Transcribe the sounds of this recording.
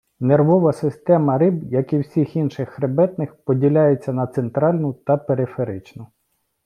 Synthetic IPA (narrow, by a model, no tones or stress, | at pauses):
nerʋɔʋɐsɪst̪ɛmɐɾɪbjɐkiwsʲixinʃɪxːɾebɛt̪nɪxpɔdʲilʲajet͡sʲːɐnɐt̪sent̪ɾɑlʲnʊt̪ɐpeɾɪfeɾɪt͡ʃnʊ